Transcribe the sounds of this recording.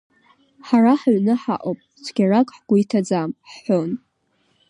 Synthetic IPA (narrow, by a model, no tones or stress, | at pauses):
ħaraħaɥnɨħa̰ʔʼopʼ | t͡sʷʰɡʲarakʼħɡ̥ʷʊitʰad͡zamħːon